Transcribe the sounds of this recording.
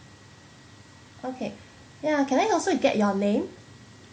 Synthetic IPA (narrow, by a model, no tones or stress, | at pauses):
ʔokʰe | jakʰɛ̃naɪɔlsoɡɛ̰ʔ̚jɔnẽm